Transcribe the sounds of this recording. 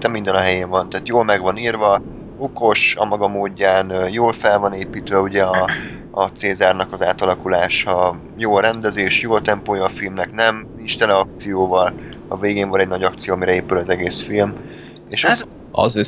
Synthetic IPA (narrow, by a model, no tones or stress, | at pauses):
nt̪ɛmːind̪ɛnɒɦɛjeːɱvɒnt̪aːt̪joːlmɛɡvɒniːrvɒ | oko̞ʃɒmɒɡɒmoːɟːaːnːjoːlfɛlvɒneːpiːt̪ʋɛuɟɛɒː | t̪seːzaːrnɒkɒzaːt̪ɒlɒkulaːʃɒ | joːlɾɛnd̪ɛzeːʃjoːlt̪ɛmpoːjɒːfilmnɛknɛm | iʃt̪ɛnɛɒk̚t̪sijoːvɒl | ɒ̰veːɡeːɱvɒnɛɟ̚nɒɟɒkt̪sijoːɒmiɾɛeːpylɒzɛɡeːsfilm | eːʃ | ɒ̰z